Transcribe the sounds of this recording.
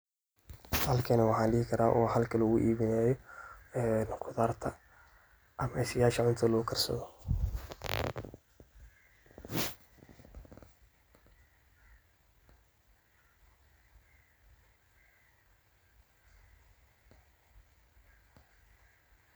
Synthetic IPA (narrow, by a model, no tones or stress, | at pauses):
hɐlkʰɐnɐwɑħɑːnlɪhɪkʰɐɾaːʔɔːɦɐlkʰɐlɣʊʔiːβɪnaːjɔɛːnqʰʊðaːrt̪ʰɐ | ʔɐmɛsɐjaːʃɐʕʊnt̪ʰɐlʊkʰɐrsɐ̰ðɔ